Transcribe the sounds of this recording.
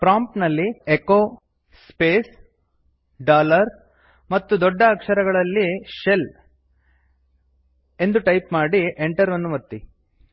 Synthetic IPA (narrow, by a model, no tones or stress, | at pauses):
pɾaːmpnɐlːiekoː | speːs | ɖaːlɐɾ | mɐt̪ːud̪ɔɖːɐːkʂɐɾɐɡɐɭɐlːiʃe̞l | e̞nd̪uʈɐjpmaːɽiʔeɳʈɐɾʋɐnːuʋɐt̪ːi